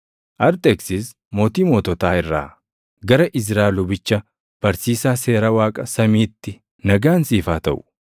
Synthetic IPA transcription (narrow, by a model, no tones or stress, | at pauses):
ʔɐɾt̪ʼeksɪs | mo̞ːt̪iːmoːt̪ɔt̪aːɪrːa̰ː | ɡɐɾɐʔɪs̬ɾaːlʊbɪt͡ʃːɐ | b̥ɐɾsiːsaːse̞ːɾɐwaːkʼɐsɐmiːt̪ːɪ | nɐɡaːnsiːfaːt̪ɐ̰ʔʊ̥